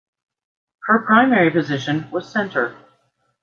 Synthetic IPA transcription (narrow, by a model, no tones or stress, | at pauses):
hə˞pʰɹ̥ãɪ̃mɛɹipɨzɪʃɨ̃nwʌz̥sɛ̃ntʰə˞